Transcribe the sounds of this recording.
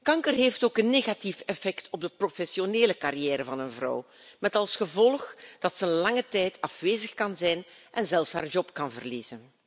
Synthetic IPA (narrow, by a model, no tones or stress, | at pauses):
kɑŋkərɦeftoːkənːeːɣatifɛfɛktʰɔb̚dəprofɛsjoneːləkaɾijɛːɾəvɑnənvrɔ̰w | mɛtɑlˠsxəvɔlˠxd̥ɑtsənlɑŋətɛjtʰɑfʋeːzəxkɑnzɛjnʔɛnzɛlˠfsɦaːrʒɔpkɑnvərliːzən